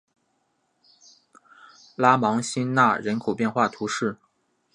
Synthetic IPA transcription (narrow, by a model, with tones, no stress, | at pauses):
la˥mɑ˧˥ŋɕi˥nna˥˩ɻə˧˥nkʰo˨˩ʊpjɛ˥˧nxwa˥˩t̪ʰu˧˥ʂɻ̩˥˩